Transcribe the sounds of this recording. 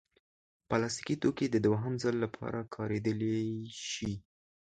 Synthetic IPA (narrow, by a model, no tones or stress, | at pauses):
palɑs̬t̪i̥kit̪oked̪əd̪waɦamzəlːapʰɑ̰ɾakʰɑɾed̪əleʃi